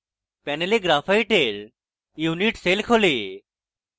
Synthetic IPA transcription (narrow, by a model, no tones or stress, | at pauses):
pɛːneleɡɾaːfʰaiʈeːl | juːniʈseːlkʰoleː